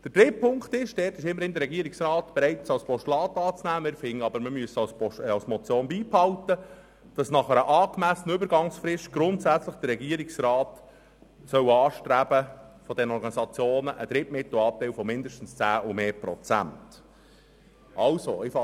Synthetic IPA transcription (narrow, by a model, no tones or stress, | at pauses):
d̥əɾd̥ɾɪpʰːʊŋkt̪ɪʃd̥ɛːtɪʃɪmːəɾɪnd̪əɾːɛɡiəɾiksrɑːtb̥eɾɛɪtsɑwspɔʃtlɑːt̪ːɑːt͡snæːɪɾfɪŋːəɑbəɾməmyəsɑspɔɑwsmɔt͡sjoːnbiːphɑltə | d̥ɑsnɑχəɾəʔɑːkmæsnəʏbəɾɡɑŋsfɾɪʃt̚ɡ̥ɾʊntsæt͡sləχd̥əɾːɛɡiːəɾiksɾɑːt | sœwɑːʃtɾæb̥əfɔd̥ɛnəɔɾɡɑnizɑt͡sjoːnəʔəd̥̪ɾɪtmɪt̪l̩ɑp̚tɛɪwfɔmɪndəʃtn̩st͡sæːʔumeːpɾɔt͡sæ̰nt | ɑlso̰ɪfɑ